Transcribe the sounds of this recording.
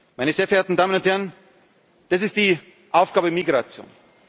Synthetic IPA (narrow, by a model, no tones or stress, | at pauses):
maɪnəzeːɐɛɐeːɐtn̩daːmənʊnthɛʁən | d̥as̬ɪstd̥iː | ʔaʊfɡ̥aːbəmiɡʁat͡sjo̰ːn